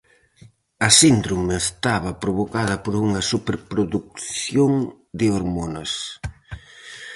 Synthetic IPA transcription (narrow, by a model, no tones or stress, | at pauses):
ɐsind̪ɾomeest̪aβɐpɾoβokaðɐpoɾuŋɐsupeɾpɾoðuk̚θjoŋ | d̪ɪoɾmonɐs